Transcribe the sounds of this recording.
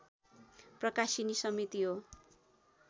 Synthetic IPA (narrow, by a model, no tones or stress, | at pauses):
prʌkasinisʌmit̪iɦo